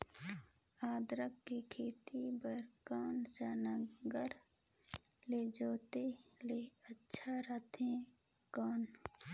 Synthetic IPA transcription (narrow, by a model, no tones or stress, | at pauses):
aːd̪ɾəkːikʰeːt̪ibəɾkaːnt͡ʃaːnəɡəɾ | leːd͡ʒoːt̪eleətːʃʰaɾət̪ɦɛ̃ːkɔːn